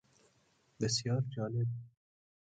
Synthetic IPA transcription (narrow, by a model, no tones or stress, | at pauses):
bɪsjɑːɾd͡ʒɑːlɪb̚